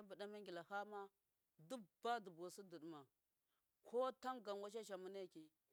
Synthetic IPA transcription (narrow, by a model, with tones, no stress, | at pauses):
a˦bə˨da˦ma˦ŋɡʲi˨la˨ha˦ma˦ | du˦ba˦du˨bo˨si˦də˨ɗma˨ | kʰo˦ta˦ŋɡa˨n˨wa˦ʃ̬a˦ʃ̬a˨mu˦na˦˨ki˨